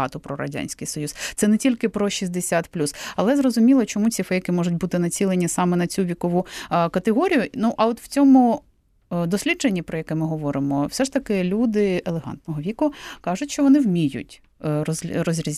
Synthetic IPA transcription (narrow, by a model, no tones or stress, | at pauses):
ɑ̰t̪ɔpɾɔɾɐ̰dʲa̰nʲsʲkɪjsɔjust̪sɛnɛtʲilʲkɪpɾɔʃʲizʲd̪esʲat̪plʲusɐlˠɛzrɔzʊmʲilˠɔt͡ʃɔmut͡sʲifɛjɐkɪmɔʒʊtʲbut̪ɪnɐt͡sʲilˠenʲisɑmɛnɐt͡sʲuʋʲikɔʋukɐt̪eɦɔɾʲijʊnuʔɐɔt̪w̥t͡sʲɔmʊ | d̪ɔsʲlʲid̪d͡ʒenʲːipɾɔjɐkɛmɪɦɔʋɔɾɪmɔwsɛʃt̪ɐkɪlʲud̪ɪelˠeɦɑ̰nt̪nɔɦɔʋʲikʊkɑʒʊtʲʃt͡ʃɔʋɔnɪwmʲijʊ̰tʲ | rɔzʲrɔzʲɾʲizʲ